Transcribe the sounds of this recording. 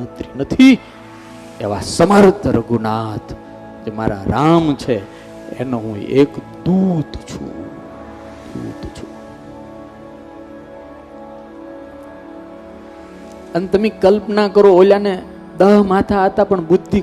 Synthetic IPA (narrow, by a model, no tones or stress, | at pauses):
ət̪ɾinət̪ʰi | eʋa̰səməɾt̪əɾəɡʱunat̪ʰ | d͡ʒema̰ɾa̰ɾamt͡ʃʰe | ḛnoɦũek | d̪ud̪t͡ʃʰṵ̃ | d̪ṵd̪t͡ʃʰu | ənet̪əmẽkəlpnakəɾooljane | d̪əɦmat̪ʰaːt̪apəɳbʊd̪ʱːi